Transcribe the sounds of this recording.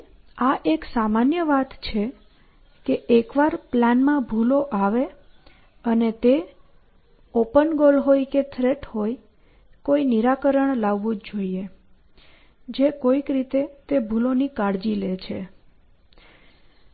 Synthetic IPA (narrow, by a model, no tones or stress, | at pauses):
aʔeksamanjəʋat̪t͡ʃʰe | keʔekʋaɾplanmãbʱuloʔaʋe | ənet̪e | opənɡolɦojket̪ʰɾeʈhoj | koiniɾakəɾəɳlaʋːũd͡ʒd͡ʒoie | d͡ʒekoikɾit̪et̪ebʱulonikaɽd͡ʒilet͡ʃʰe